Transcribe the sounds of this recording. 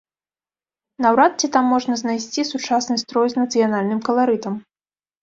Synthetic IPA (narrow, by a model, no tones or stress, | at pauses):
nawɾat̪̚t͡sʲit̪amːɔʐnɐznajsʲt͡sʲisut͡ʂasnɨst̪ɾɔjznɐt̪sɨjanalʲnɨmkɐlˠaɾɨt̪ɐm